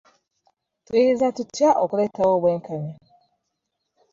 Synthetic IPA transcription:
twihezatutjaʔokuleːtawoːβweːŋkaɲa

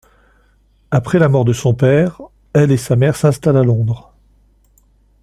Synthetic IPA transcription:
apχɛlamɔʁd̪əsɔ̃pɛʁ | ɛlesamɛʁsɛ̃st̪alalɔ̃d̪ʁ

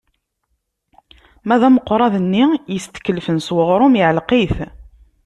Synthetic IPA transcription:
mæðæməqːɾˤɑðənːijəst̪ə̥kːəlfənswəʁɾˤʊmʕəlqiθ

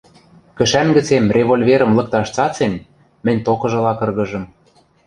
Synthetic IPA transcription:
kɘ̆ʃæmɡə̆t͡semrʲeβolʲveɾɤ̆mlɤ̆k̚t̪ɑʃt͡sɑt͡sen | mɘ̆nʲt̪okɤ̆ʒɤ̆lɑkɤ̆rɣɤ̆ʒɤ̆m

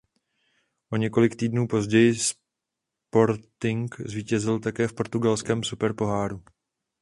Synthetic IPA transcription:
ʔo̞ɲɛko̞lɪkt̪iːdnuːpo̞zɟɛjɪs | po̞ɾt̪ɪŋkzviːcɛzɪlt̪akɛːfpo̞ɾt̪uɡalskɛːmsupɛɾpo̞ɦaːɾu

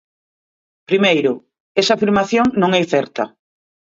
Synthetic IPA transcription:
pɾimejɾʊ | ɛsɐaːfiɾmaθjoŋnõŋɛjθɛɾt̪ɐ̰

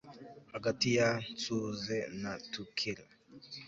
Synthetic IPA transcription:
aɡatijat͡suzɛnatukʰila

